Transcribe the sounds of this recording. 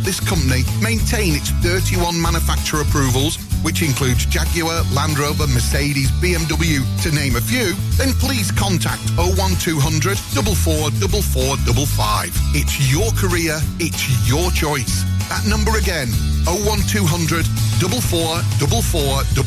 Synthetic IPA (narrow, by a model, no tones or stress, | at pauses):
ðɪskʰʌ̃mpənimẽɪ̃ntʰẽɪ̃nɨtsθɜˑ˞tiwʌ̃nmãnjəfak̚t͡ʃəɹəpʰɹ̥ʉːvəlˠz̥ | wɪt͡ʃɪ̃nkʰl̥ʉːdzd͡ʒaɡjəəlãndɹoʊbəməseɪɾizbiɛ̃mdʌbl̩ˠjʉtʰɨnẽɪ̃məfjʉːðə̃npʰl̥iːz̥kʰɒ̃ntʰa̰k̚tʰoʊwʌ̃ntʰʉːɦʌ̃ndɹədd̥ʊbəl̩ˠfɔːɹdʊbl̩ˠfɔɹdʌbl̩ˠfa̰ɪv̥ɪtsjəkʰəɹɪəɹɪtsjət͡ʃʰɔɪsðəʔⁿnʌ̃mbəɹɨɡɛ̃noʊwʌ̃ntʰʉːɦʌ̃ndɹɨddʌbəl̩ˠfɔːɹdʊbl̩ˠfɔː | d̥ʌ